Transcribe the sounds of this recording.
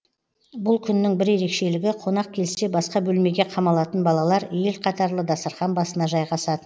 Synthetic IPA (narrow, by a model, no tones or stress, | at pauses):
bʊlˠkʲʰʏnːɪŋbɪɾje̞ɾe̞kʃe̞lɪɡʲɪqʰo̞nɑq̚kʲʰe̞lɪse̞bɑsqɑbɵlme̞ɡʲe̞qʰɑmɑlˠɑt̪ənbɑlˠɑlˠɑɾeelqʰɑt̪ɑɾlˠəd̪ɑsəɾχɑnbɑsənɑʒɑjʁɑsɑt̪ən